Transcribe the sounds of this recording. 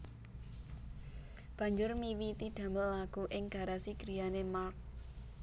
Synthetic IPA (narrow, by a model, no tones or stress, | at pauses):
b̥a̤ɲd͡ʒʊrmiwit̪iɖ̥ä̤məllaɡ̥uʔɪŋɡ̥a̤ɾasiɡ̥ɾijanemark̚